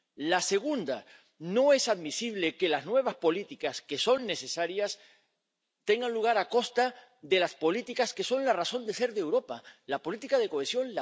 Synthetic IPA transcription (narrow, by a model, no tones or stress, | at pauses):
lase̞ɣ̞und̪a | no̞e̞saðmisiβ̞le̞ke̞laznwe̞β̞aspo̞lit̪ikaske̞so̞nːe̞se̞saɾjas | t̪e̞ŋɡanluɣ̞aɾako̞st̪a | ðe̞laspo̞lit̪ikaske̞so̞nlaraθo̞nd̪e̞se̞ɾðe̞wɾo̞palapo̞lit̪ikað̞e̞ko̞esjo̞nla